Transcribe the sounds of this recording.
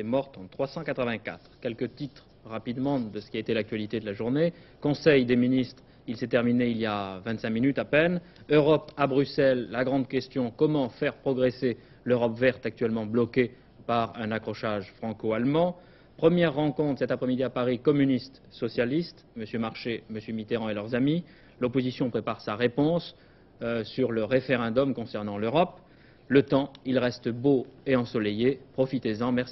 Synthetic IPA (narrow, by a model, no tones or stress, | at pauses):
ɛmɔʁt̪ɑ̃t̪χwasɑ̃kat̪χəvɛ̃ka̰t̪χkʲɛlkət̪it̪χ | ʁapid̪mɑ̃d̪əsə̥kʲiaet̪elak̚t̪ɥalit̪ed̪əlaʒuʁne | kɔ̃sɛjd̪eminist̪χ | ilsɛt̪ɛʁmineiljavɛ̃nt̪sɛ̃minyt̪apɛn | øʁɔpabʁysɛlːaɡʁɑ̃d̪kʲɛst̪jɔ̃kɔmɑ̃fɛʁpχɔɡʁese | løʁɔpvɛʁt̪ak̚t̪ɥɛlmɑ̃blɔkʲe | paʁɛ̃nakχɔʃaʒfχɑ̃koalmɑ̃ | pχəmjɛʁːɑ̃kɔ̃t̪χəsɛt̪apχɛmid̪iapaʁikɔmynist̪ | sɔsjalist̪məsjømaʁʃeməsjømit̪eʁɑ̃elœʁzami | lɔpozisjɔ̃pχepaʁsaʁepɔ̃s | syʁləʁefeʁɛ̃d̪ɔmkɔ̃sɛʁnɑ̃løʁɔp | lət̪ɑ̃ilʁɛst̪əboeɑ̃sɔlejepχɔfit̪ezɑ̃mɛʁsi